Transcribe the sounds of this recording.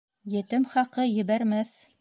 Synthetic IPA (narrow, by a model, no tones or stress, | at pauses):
jɘ̆t̪ɘmχɑqɤjɘ̆βæɾmæθ